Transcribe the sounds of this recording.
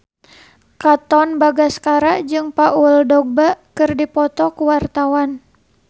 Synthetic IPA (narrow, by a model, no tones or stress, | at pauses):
kat̪ɔnbaɡaskaɾaʔd͡ʒɨŋpauldɔɡ̚bakɨrdipɔt̪ɔkuwart̪awan